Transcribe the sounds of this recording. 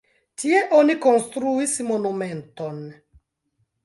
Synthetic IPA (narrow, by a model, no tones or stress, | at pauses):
tieʔoniko̞nstɾuismonumenton